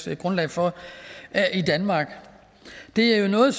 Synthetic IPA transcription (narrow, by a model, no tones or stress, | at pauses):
ɡ̥ʁɔ̽nlɛ̰ɪfɒ | id̥ænmɑ̈ːɡ̥ | d̥e̝æɐjo̝nɔ̽ːð̩ˠs